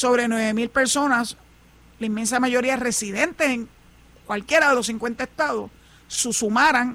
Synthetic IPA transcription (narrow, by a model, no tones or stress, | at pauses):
so̞βɾe̞nwe̞βe̞milpe̞ɾso̞nas | laimːensamaʝo̞ɾiaere̞siðẽ̞nt̪eseŋ | kwalkje̞ɾaðe̞lo̞s̬iŋkwe̞nt̪aest̪aðo̞ | susumaɾaŋ